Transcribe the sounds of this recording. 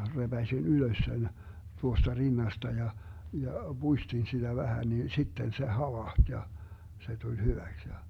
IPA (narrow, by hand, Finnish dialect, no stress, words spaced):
reb̥æsʲin yløs sen tuostɑ rinːɑstɑ jɑ jɑ b̥uistin sid̥æ ʋæhæ ni sitːen se hɑʋɑːht jɑ se tulʲ hyʋæks jɑ